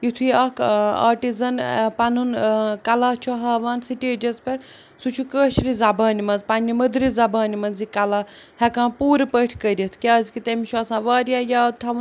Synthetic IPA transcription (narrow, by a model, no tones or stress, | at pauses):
jit̪ʰuiɐka̰ːʈizɐnpɐnunkɐlaːt͡ʃʰuɦɐːʋaːnsiʈeːd͡ʒɐzpɐɾ | sut͡ʃʰukəːʃɾizɐbaːnimɐnzpɐnːimɐd̪ɾizɐbaːnimɐnzikɐlaːhɛkãːpuːɾpəʈʰkəɾit̪ʰkʲaːzkit̪emiʃʰuɐsãːʋaːɾjaːjaːt̪ʰɐʋ